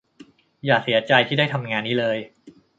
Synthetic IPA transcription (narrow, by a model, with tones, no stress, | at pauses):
jaː˨˩k̚si˩˦ɐt͡ɕa˧jt̪ʰiː˥˩da˥˩jt̪ʰa˧mŋaː˧nːiː˦˥lɤː˧j